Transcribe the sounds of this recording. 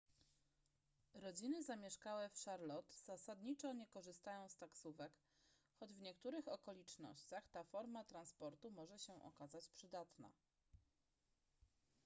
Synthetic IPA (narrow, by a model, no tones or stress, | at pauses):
ɾɔd͡ʑinɘzamʲjɛʂkawɛfʂaɾlɔt̪z̥asad̪ɲit͡ʂɔɲɛkɔʐɘst̪ajɔ̃w̃st̪aksuvɛk | xɔd͡ʑvɲɛkt̪uɾɘxɔkɔlʲit͡ʂnɔ̰ɕt͡ɕaxt̪afɔɾmat̪ɾanspɔɾt̪umɔʐɛɕɛʔɔ̰kazat͡ɕpʂɘd̪at̪na̰